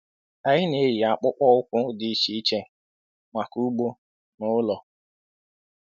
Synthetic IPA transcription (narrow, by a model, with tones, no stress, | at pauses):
a˨ɲɪ˦ne˨˦ɾi˨a˨k͡pʊ˦k͡pɔ˦ʊ˦kʷʊ˦di˨i˦ʃi˦i˦t͡ʃe˦ | ma˨ku˦ɡ͡bo˦ | nʊ˦lɔ˨